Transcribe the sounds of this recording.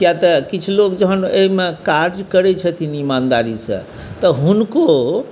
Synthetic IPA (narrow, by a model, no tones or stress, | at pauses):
kjat̪əkit͡ʃʰulokd͡ʒəɦəneɦimekaɾd͡ʒkəɾɛt͡ʃʰət̪ʰinimand̪aɾisə̰̃ | t̪əɦunko